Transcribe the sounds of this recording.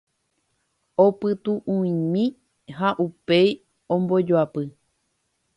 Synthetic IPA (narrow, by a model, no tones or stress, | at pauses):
opɨt̪uʔũĩmĩ | ɦaʔupej | õmbod͡ʒoapɨ